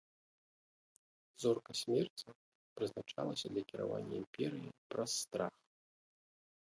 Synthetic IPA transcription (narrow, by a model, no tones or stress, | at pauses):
zɔrkɐsʲmʲɛrt͡sʲi | pɾɨznat͡ʂalˠɐsʲɐd̪lʲɐkʲiɾa̰va̰nʲːɐ̰impʲɛɾɨjḭpɾɐsːt̪ɾax